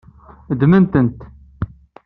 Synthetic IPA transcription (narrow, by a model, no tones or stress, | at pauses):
d̪mənt̪ənt̪